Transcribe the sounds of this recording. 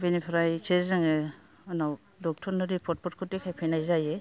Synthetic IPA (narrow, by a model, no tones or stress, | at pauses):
binipʰɾajt͡ʃʰezɯŋe | anaw | dɔk̚tʰɔɾnɔɾipʰɔt̚pʰɔt̚kʰutikʰajpʰijnajzaje